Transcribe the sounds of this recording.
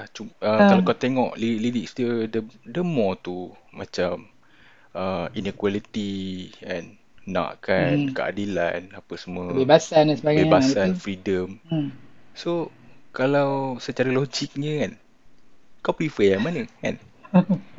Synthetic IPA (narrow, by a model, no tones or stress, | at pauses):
at͡ʃuəalawkawt̪eŋɔʔlilik̚lilik̚st̪iədədəmɔt̪umat͡ʃam | əinikwalit̪iɛ̰̃nː | a̰ʔkankəʔa̰dila̰napəsmuəbebasanɛsəbaɡebasanfɾidəm | sokalawsət͡ʃaɾalod͡ʒik̚ɲəkan | kaplifejamanəka̰n